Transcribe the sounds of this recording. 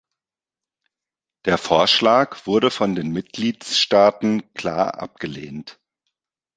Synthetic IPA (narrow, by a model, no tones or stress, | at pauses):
d̥eːɐfoːɐʃlaːkv̥ʊɐɾəfɔndeːnmɪt̚ɡ̥liːtsʃtaːtn̩kʰl̥a̰ːɐʔa̰p̚ɡ̥əlḛːnt